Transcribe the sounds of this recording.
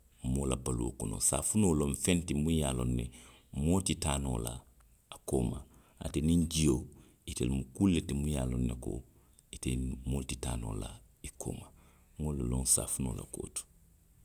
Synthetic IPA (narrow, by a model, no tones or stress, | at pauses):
moːlabaluo̰konõ̰sa̰ːfunoːlõɱfɛ̃ntimujaːlonːɛ | motitaːno̰ːla̰ː | koːma | a̰tenĩɲd͡ʒijoː | itḛlmukulːetimujaːlonːeko̰ | itemoːtitaːno̰ːla̰ | ikʰo̰ːma | ŋolulõnsa̰ːfuno̰ːla̰ko̰ːtu̥